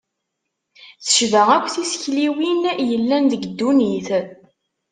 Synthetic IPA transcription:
θə̥ʃðəʁækʷːθisə̥çliwinjəlːænðəɡd̪ːuniθ

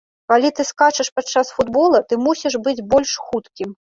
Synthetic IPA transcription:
kalʲit̪ɨskat͡ʂɐʂpat͡ʂːasfud̪bɔlˠɐt̪ɨmusʲiʂbɨd͡zʲbɔlʲʂxut̪kʲim

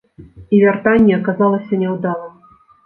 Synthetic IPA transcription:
ivʲart̪anʲːɛɐkazalˠɐsʲɐnʲɛwd̪alˠɐ

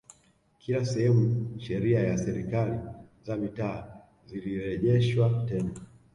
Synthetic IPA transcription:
kʰilasɛhɛmuʃɛɾiajasɛɾikalizamitaː | ziliɾɛʄɛʃwatɛna

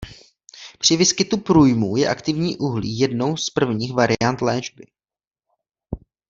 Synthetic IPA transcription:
pr̥ɪvɪskɪt̪upɾuːjmuːjɛʔakt̪ɪvɲiːʔuɦlḭːjɛdno̞wspr̩vɲiːxvaɾɪant̪lɛːʒbɪ

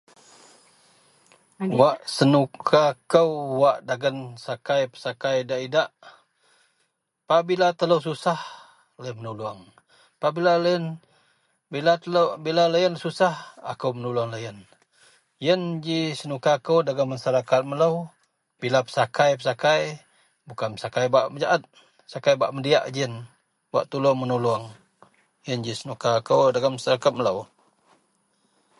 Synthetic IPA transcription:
waʔsənukʰakəwwaʔdaɡənsakajpə̥sakajdaʔidaʔ | paʔbilat̪ələws̬usah | lajənmənuluaŋ | paʔbilaljən | bilabilalajənsusaha̰kəwmənulaŋlajən | jənd͡ʒisənukakəwdaɡəmːasaɾakat̪̚mələw | bilapə̥sakajpəsakaj | bukanəsakajbaʔməd͡ʒaʔat̪̚ | sakajbaʔmədiaʔd͡ʒiən | wa̰ʔt̪ulomənuluaŋ | jənd͡ʒisənukakəwdaɡəmːasaɾakat̪̚mələw

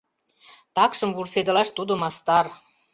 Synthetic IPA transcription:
t̪ɑkʃə̆mβursed̪ə̆lɑʃt̪ud̪omɑst̪ɑr

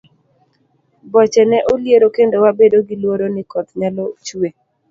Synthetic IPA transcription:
bɔt͡ʃɛnɛʔoljeɾokendowabedoɡilwoɾonɪkɔt̪ɲalɔt͡ʃwe

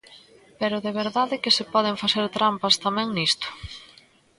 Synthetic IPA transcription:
peɾʊðeβeɾðaðɪkɪsɪpɔð̞ɪɱfaθeɾt̪ɾampɐst̪amɛ̃ŋnist̪ʊ̥

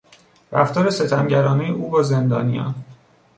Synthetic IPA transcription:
ɾæ̰ft̪ɒːɾe̞se̞t̪ʰæmɟæɾɒːnejeʔuːbɒːze̞nd̪ɒ̰ːnijɒ̰n

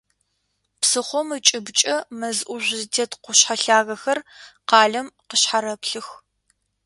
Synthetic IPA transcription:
psɨχʷɔmɨt͡ʃʼɪbt͡ʃʼɐmɐzʔʷʊʒʷztʰetqʷʊɕħaɬaːɣɐxɐrqɑːɮɐmqəɕħaɾɐpɬɨx

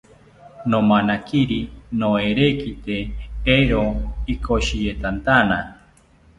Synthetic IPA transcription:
nomanakiɾinoeɾekit̪eeɾoikʰoʃijet̪ant̪ana

